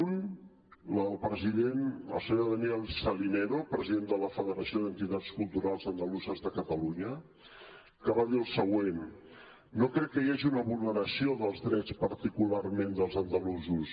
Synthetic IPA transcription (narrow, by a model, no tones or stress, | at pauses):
n | ləlˠpɾəziðenə̰lˠsəɲoðəniɛlˠsəlinɛɾopɾəziðend̪ələfəðəɾəsioðənt̪it̪at͡skulˠt̪uɾalˠzənd̪əluzəzðəkət̪əluɲə | kəβaðiəlˠsəɣwenː | okɾɛkːəjaʒiunəβulˠnəɾəsioðəlˠzðɾɛt͡spəɾt̪ikularmend̪əlˠzənd̪əluzus